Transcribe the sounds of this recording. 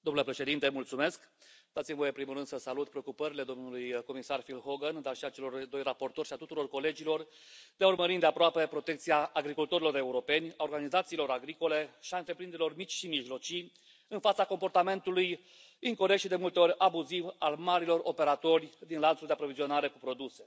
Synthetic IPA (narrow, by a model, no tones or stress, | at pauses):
d̪omnlepɾe̞ʃe̞d̪int̪e̞mult̪sume̞skd̪at̪simvojempɾimulrɨnd̪̥səsalut̪pɾeo̞kupəɾile̞d̪o̞mnulujko̞misarfilɦoɡənd̪arʃiat͡ʃe̞lo̞rd̪o̞jrapo̞rt̪o̞ɾʲʃiat̪ut̪uɾo̞rko̞le̞d͡ʒilo̞r | d̪eaurməɾind̪e̞apɾoape̞pɾo̞t̪e̞kt̪siaːɡɾikult̪o̞ɾilo̞ɾe̞uɾo̞pe̞nʲaorɡanizat̪siːlo̞ɾaɡɾiko̞le̞ʃiaɨnt̪ɾeplɾind̪ɾilormit͡ʃʲʃimiʒlo̞t͡ʃi | ɨnfat̪sako̞mpo̞rt̪ame̞nt̪uluj | iŋko̞ɾek̚t̪ʃid̪e̞mult̪e̞o̞ɾʲabuzivalmaɾilo̞rope̞ɾat̪o̞rʲd̪inlant̪suld̪e̞apɾo̞vizio̞naɾe̞kupɾo̞d̪use̞